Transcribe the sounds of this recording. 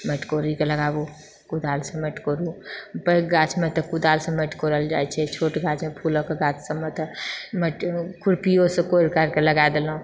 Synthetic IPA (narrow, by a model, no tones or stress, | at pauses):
meʈkoːɾikeləɡaːbu | kud̪ʱaːlsemeʈkoːɾũbəɡaːt͡ʃʰmẽt̪ɔkud̪aːlsẽmeʈkoɾəld͡ʒa̰ːɛt͡ʃʰɛt͡ʃʰoːʈɡaːt͡ʃmepʰuːlõkeɡaːt͡ʃʰsəmet̪ɔmeʈkʊɾpijosẽkoɾkəɾkeləɡad̪elũ